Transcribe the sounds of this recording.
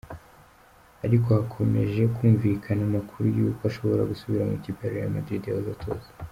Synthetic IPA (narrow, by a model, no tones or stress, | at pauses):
aɾiko̞hakʰo̞me̞̰ʒe̞kʰuːɱvikʰanamakʰuɾujuːkaʃo̞βo̞ɾaɡusuβiɾamucibeɾeja̰ma̰d̪ɾidijaβazatʰo̰ːzḁ